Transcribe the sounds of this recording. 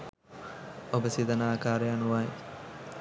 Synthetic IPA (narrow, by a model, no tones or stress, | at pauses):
obəsid̪anaːkaːɾəjanuʋae